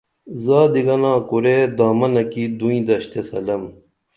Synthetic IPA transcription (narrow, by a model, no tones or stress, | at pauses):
zaːd̪iɡɐnãːkuɾed̪aːmɐnɐkid̪uĩd̪ɐɕt̪esɐlɐm